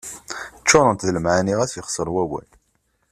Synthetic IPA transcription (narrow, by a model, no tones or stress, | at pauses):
t͡ʃːoɾˤənt̪ðləmʕaniʁæsjəχsˤəɾˤwæwæ̰l